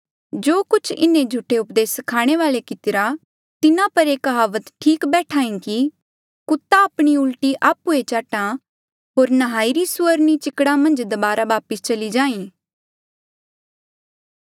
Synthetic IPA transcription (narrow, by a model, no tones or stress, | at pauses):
d͡ʒoːkʊt͡ʃʰɪ̰nẽd͡ʒʱʊʈʰːeʊpd̪eːskʰaːɽ̃eʋaːlekɪt̪ɪɾa | t̪ɪnãpɐɾeːkɦaːʋət̪ʈʰiːkbɛːʈʰaːĩki | kʊt̪ːaːpɽ̃iʊlʈiʔaːpuet͡ʃaːʈã | ɦoːɾnɐɦaːiɾisʊəɾnit͡ʃɪkɽamɐ̃nd͡ʒd̪ɐbaːɾaʋaːpəst͡ʃɐlid͡ʒãːĩː